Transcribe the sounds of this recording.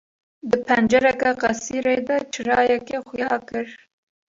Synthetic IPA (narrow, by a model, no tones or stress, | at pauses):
d̪ɨpʰɛnd͡ʒɛɾɛkɑqɑsiːɾeːd̪ɐt͡ʃʰɨɾɑːjɛkexʊjɑːkɨɾ